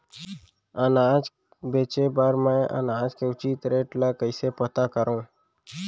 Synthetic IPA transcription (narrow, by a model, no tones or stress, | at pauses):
ənaːd͡ʒ | beːt͡ʃebaːɾmɛ̃ːʔə̰naːd͡ʒkeʊt͡ʃit̪ɾeːʈlaːkəɪsepət̪akəɾõː